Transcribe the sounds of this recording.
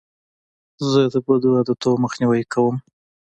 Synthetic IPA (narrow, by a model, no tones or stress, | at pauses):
zəd̪əbəd̪uad̪ət̪oməxniwajkʰawəm